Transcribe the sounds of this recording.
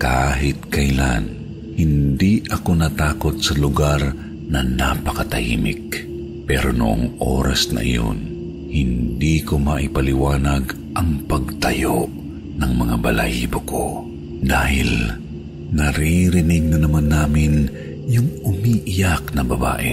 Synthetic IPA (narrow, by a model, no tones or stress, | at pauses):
kaɦɪt̪̚kɐjla̰n | hɪnd̪iʔɐko̞nɐt̪aːko̞t̪̚sɐlʊɡaɾ | nɐnapɐkɐt̪ɐhḭːmɪ̰k̚ | pɛɾonʊʔo̰ŋʔo̰ːɾɐsnɐ̰ʔɪ̰jo̰n | hɪnd̪ikomaʔɪpɐlɪwaːnaɡ | ʔɐŋpɐɡ̚t̪ɐjoʔ | nɐŋmɐŋabɐla̰ʔiːboko̰ | d̪aːhɪ̰l | nɐɾiɾɪnɪɡ̚nɐnɐmanːaːmɪn | jʊŋʊmiʔɪjaknɐbɐba̰ːʔɪ